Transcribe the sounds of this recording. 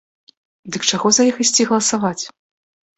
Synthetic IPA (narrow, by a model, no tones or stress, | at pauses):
d̪ɨkt͡ʂaɣɔzɐjixisʲt͡sʲiɣɐlˠɐsavat͡sʲ